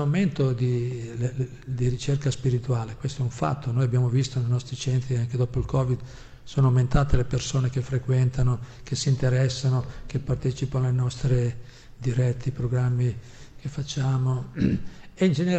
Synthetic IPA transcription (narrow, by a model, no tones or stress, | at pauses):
awment̪od̪ile | d̪iɾit͡ʃerkaspiɾit̪uaːlekwest̪oɛuɱfa̰t̪ːonoːjabjaːmovist̪onejnɔst̪ɾit͡ʃɛnt̪ɾiaŋk̟ed̪ɔːpoilkɔːvid̪ | soːnoawment̪aːt̪elepersoːnek̟efɾekwɛnt̪anokesiːnt̪eɾɛsːanokepːart̪ɛːt͡ʃipanoalenɔst̪ɾe | d̪iɾɛt̪ʰːipɾoɡɾamːi | kefːat͡ʃːaːmo | eind͡ʒene